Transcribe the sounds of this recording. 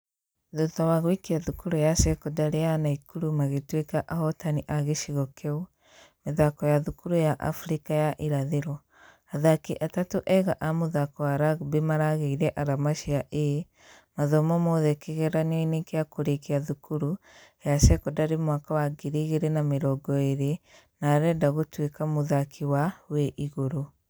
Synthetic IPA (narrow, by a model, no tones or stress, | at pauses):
ðotɔwaɣwikiaðukuɾujasɛkɔdaɾejanaikuɾumaɣetwekaʔahɔtaniʔaɣeʃiɣɔkʰɛu | meðakɔjaðukuɾujaʔa̰fuɾikajaʔiɾaðeɾɔ | aðakiʔatatoʔɛɣaʔamoðakɔaɾabemaɾaɣeiɾɛʔaɾamaʃiaʔee | maðɔmɔmoðɛkeɣɛɾanɔinekeakoɾekeaðukuɾu | jaʃɛkɔdaɾemwakawaɡeɾiɣeɾenameɾɔɡɔeɾe | naɾɛːdaɣotwekamoðakʰiwaweʔiɣoɾo